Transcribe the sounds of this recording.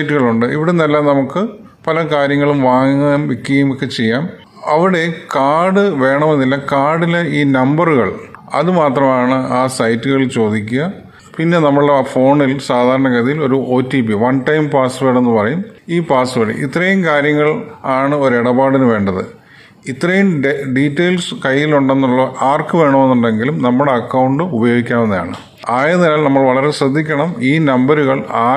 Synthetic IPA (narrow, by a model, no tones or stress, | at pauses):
jtːuɣɐɭuɳɖɨʔḭʋiɽenɐlːaːnɐmukːɨ | pɐlɐkaːɾjɐŋːɐɭumʋaːŋɐmʋikːjumokːe̞t͡ɕe̞jːaːm | ɐʋiɽe̞kaːɽɨʋe̞ːɳɐmenːilːɐkaːɽileiːnɐmbɐruɣɐɭɐ̰ðɨmaːt̪rɐmaːɳɨaːsɐjtːuɣɐɭt͡ɕo̞ːd̪ikʲːuɣɐ | pinːe̞nɐmːɐɭɽefo̞ːɳilsaːd̪ʱaːɾɐɳɐkɐðijilo̞ɾuʔo̞ːtːiːpiʋɐnʈɐjmpaːsʋeːɽenːɨpɐrɐjumiːpaːsʋeɽḭʔḭt̪ːrɐjumkaːɾjɐŋːɐɭaːɳɨo̞ɾeɽɐbaːɽinɨʋe̞ːɳɖɐðɨ | it̪ːrɐjumɖiːtːɐjlskɐjːiluɳɖe̞nːuɭːoʔaːrkːɨʋe̞ːɳome̞nːuɳɖe̞ŋɡilumnɐmːuɽe̞ɐkːɐwɳɖɨubɐjo̞ːɡikʲːaːmenːɐða̰ːɳɨ̰ | aːjɐnːilaːlnɐmːɐɭʋɐɭɐɾeɕrɐd̪ʱːikʲːɐɳɐmiːnɐmbɐɾuɣɐɭaː